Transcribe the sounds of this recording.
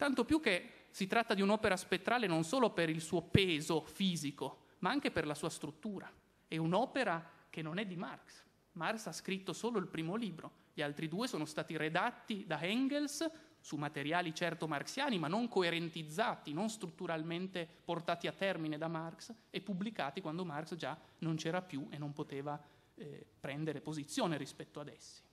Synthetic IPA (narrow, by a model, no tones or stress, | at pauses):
t̪ant̪opjuk̟ːe | sit̪ɾat̪ːad̪iunɔːpeɾaspet̪ːɾaːlenonsoːlopeɾilsuːopeːzofiːziko | maaŋk̟eperlasuːast̪ɾut̪ːuːɾa | ɛunɔːpeɾak̟enːonɛd̪ːimarks | marksaskɾit̪ːosoːloilpɾiːmoliːbɾo | ʎialt̪ɾid̪uːesoːnost̪aːt̪iɾed̪at̪ːid̪aɦɛŋɡelssumːat̪eɾjaːlit͡ʃɛrt̪omarksjaːnimanːoŋkoeɾent̪id̪zːaːt̪inonst̪ɾut̪ːuɾalment̪eport̪aːt̪iat̪ːɛrmined̪amarksepːubːlikaːt̪ikwand̪omarksd͡ʒanont͡ʃɛːɾapjuʔenːompot̪eːva | pɾɛnd̪eɾepozit̪sːjoːneɾispɛt̪ːoad̪ɛsːi̥